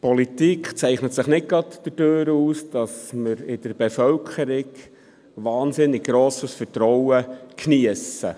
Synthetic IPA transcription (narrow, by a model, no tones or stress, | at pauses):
pʰɔlit̪ikχt͡sɛɪχnət̪sɪχnɪt̚ɡɾɑtd̥ədøːɾuːsd̥ɑsməɾɪd̥əɾb̥efœlkʰəɾɪɡ | ʋɑːnsɪnːɪɡ̚ɡ̥ɾoːsəsfətɾɔwəkniəsə̰